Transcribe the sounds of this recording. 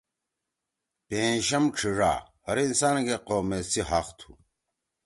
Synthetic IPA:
pẽːɕɐmʈ͡ʂʰiʐa̰ːhɐɾinsaːnɡeqoːmesiɦaːqt̪ʰu̥̰

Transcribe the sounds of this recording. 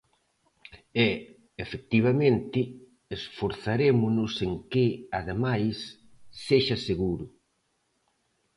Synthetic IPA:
ɛ | efek̚t̪iβ̞amẽnt̪ɪ | esfoɾθaɾemʊnʊseŋkɪaðemajsː | eʃɐseɣuɾʊ

